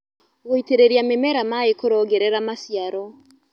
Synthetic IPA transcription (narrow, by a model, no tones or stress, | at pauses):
ɣoiteɾeɾiamemɛɾamaekoɾɔɡɛɾɛɾamasiaɾɔ